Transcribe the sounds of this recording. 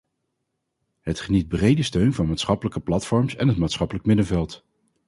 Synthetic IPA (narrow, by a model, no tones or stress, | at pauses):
ɦətχənit̚brejdəstøɥnvɑnmaːtsχɑpələkəplɑtfɔɹmsɛ̰nɦətmaːtsχɑpələkmɪdəvɛlˠt